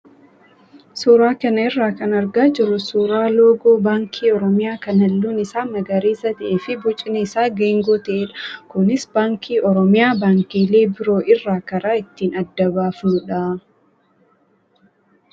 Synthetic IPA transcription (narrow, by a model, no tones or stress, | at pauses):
suːɾaːkɐnɐɪrːaːkɐnɐɾɡaːd͡ʒɪrːʊsuːɾaːloːɡoːbaːŋkʰiːɔɾɔmɪjaːkɐnɐlːuːnɪsaːmɐɡɐɾeːsɐt̪ɐʔeːfɪbʊt͡ʃʼɪnɛɪsaːɡeːŋɡoːt̪ɐʔeːᶑɐ̥kʊnɪsbaːŋkʰiːʔɔɾɔmɪjaːbaːŋkiːleːbɪɾo̞ːʔɪrːaːkɐɾaːɪt̪ːiːnɐd̪ːɐbaːfnʊᶑa